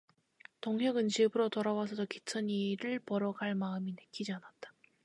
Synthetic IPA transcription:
toŋɦʌɡɯnt͡ɕibɯɾotʌɾawasʰʌdokitʰɯɲiɾɯɭpʌɾʌɡaɭmaɯminɯk͈id͡ʑianat̚t͈ḁ

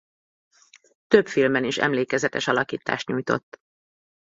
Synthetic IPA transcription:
t̪ø̞pfilmɛniʃɛ̰mleːkɛzɛt̪ɛʃɒlɒkiːt̪a̰ːʃt̪ɲuːjt̪o̞̰t̪ː

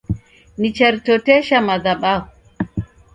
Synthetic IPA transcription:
nit͡ʃɛɾtotɛʃamadaɓa

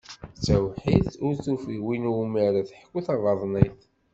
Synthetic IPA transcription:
t͡sːæwħiθʊɾθufiwinuməɾæθəħkːuθɑðˤəðˤniθ

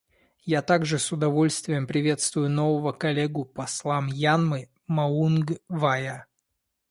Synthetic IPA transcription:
jat̪aɡʐɨsʊd̪ɐvo̞lʲst̪vʲɪjəmpɾʲɪvʲe̞t̪st̪vʊjʊno̞vəvəkɐlʲeɡʊpɐslˠamjanmɨ | mɐunɡvajə

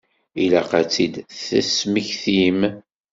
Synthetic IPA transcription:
ilæqat͡sːid̪θæ̰smiçθim

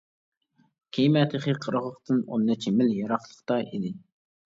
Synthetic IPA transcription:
kʲʰejmɛt̪ʰɨχiqʰəɾəʁlˠəχt̪ʰɨno̰nːɛt͡ʃʰimɪljɑɾɑχlˠəχt̪ɑʔid̪ɪ

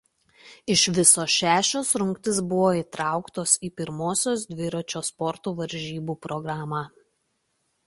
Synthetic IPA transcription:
ɪʃʋʲɪsoːʃʲæːʃʲoːsɾʊŋkt̪ʲɪsbʊʋoːiːˑt̪ɾɑˑʊkt̪oːsiːpʲɪɾmoːsʲoːsd̪ʲʋʲɪɾot͡ʃʲoːspɔɾt̪uːʋɐɾʲˑʒʲiːbuːpɾɔɡɾɑːmɑː

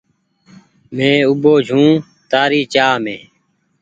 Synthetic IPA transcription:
mẽːuboːd͡ʒʱũː | t̪aːɾiːt͡ʃaːmḛ̃ː

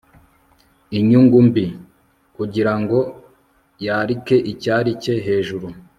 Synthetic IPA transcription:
iɲuŋɡumbi | kuɟiɾaŋɡo̞ | jaːɾike̞ʔicaɾice̞ɦe̞ːʒuɾu

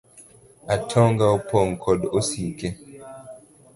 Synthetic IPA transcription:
atʰɔŋɡaopʰɔŋkʰɔdosikɛ

